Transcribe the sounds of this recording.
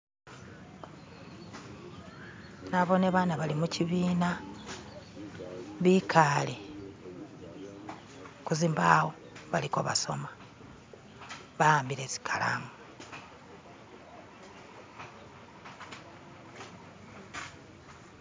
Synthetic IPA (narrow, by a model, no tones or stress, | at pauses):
naβo̞neβaːnaβalimuciβiːna | βikʰaːli | kuziːmbaːwo | βalikoβa̰so̞ma | βaaːmbiɾesi̥kʰala̰ŋa